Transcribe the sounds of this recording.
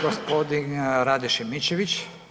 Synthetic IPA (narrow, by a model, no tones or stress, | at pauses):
ɡospod̪inɾad̪ɛʃɛmit͡ɕeʋit͡ɕ